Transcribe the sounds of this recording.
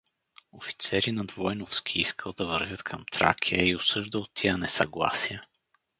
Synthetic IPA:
ofi̥t̪sɛɾinɐd̪vɔjnofsk̟ʰʲiiskʰəlˠd̪ɐvəɾvʲət̪kʰəmt̪ɾa̰kʲʰiəiʊsɤʒd̪əlˠt̪ːianɛsɐɡlˠa̰sijə

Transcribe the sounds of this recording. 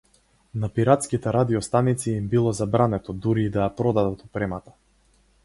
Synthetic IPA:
napiɾat̪skit̪ɛɾad̪iɔst̪anit̪siːmbilˠɔzabɾanɛt̪ɔd̪uɾiːd̪ajapɾɔd̪ad̪at̪upɾɛmat̪ḁ

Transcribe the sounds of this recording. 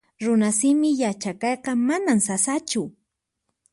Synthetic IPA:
ɾʊnasɪmɪjat͡ʃakɑjqɑmanamsasat͡ʃʊ

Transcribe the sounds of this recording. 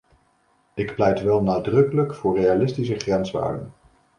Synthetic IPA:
ɪkplɛjtʋɛlˠnaːdrɵkələkfʊːrejalɪstisəχrɛnzʋa̰ːɹdə̰n

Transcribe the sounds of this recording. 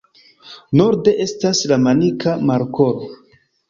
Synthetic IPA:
no̞ɾde̞ʔe̞staslamanikʰamaɾko̞ɾo

